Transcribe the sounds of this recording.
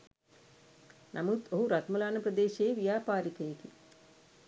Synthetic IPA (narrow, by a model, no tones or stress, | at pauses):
nʔɐmut̪oɦuɾɐt̪mɐlaːnɐpɾɐd̪eːʃeːʋijaːpaːɾikɐjeki